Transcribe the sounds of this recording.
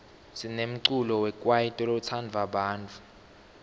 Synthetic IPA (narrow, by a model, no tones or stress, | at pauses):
sinem̩ǀulɔwɛkʼwajitʼɔlɔt͡sʰand͡vʱaɓaːnt͡fʰʼu